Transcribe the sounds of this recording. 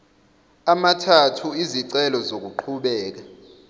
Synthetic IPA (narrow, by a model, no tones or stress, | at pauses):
amatʰatʰuiziǀɛlɔzok̬uǃʰuɓɛːk̬a